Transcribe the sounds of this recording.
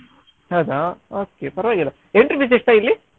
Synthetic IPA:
hɐwd̪aoːkːepɐɾɐʋaːɡilːɐ | eɳʈɐɾpʰijs̬iʂʈ̪ailːi

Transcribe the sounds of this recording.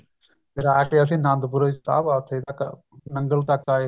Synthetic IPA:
eɾaːʈeɐs̬ĩːnãːnd̪buɾəd͡ʒt̪a̰ːbaːt̪ʰed̪ak | nɐŋɡəlt̪akaː

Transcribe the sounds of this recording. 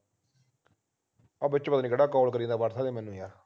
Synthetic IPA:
abɪt͡ʃːpət̪aːniːkəɽaːkɔːlkəɾĩːd̪aːʋaːɾsaːd̪eːmɛːnũːjaː

